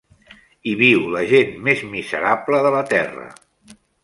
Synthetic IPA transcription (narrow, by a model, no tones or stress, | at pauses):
iβiwləʒenmezmizə̰ɾabləðələt̪ɛrə̰